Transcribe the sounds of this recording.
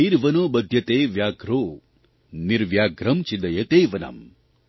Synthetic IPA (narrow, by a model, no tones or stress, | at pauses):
iɾʋɐnoːbɐd̪ʱjɐt̪eːʋjaːɡɾoː | niɾʋjaːɡɾɐmt͡ʃid̪ɐjɐt̪eːʋɐnɐ̰m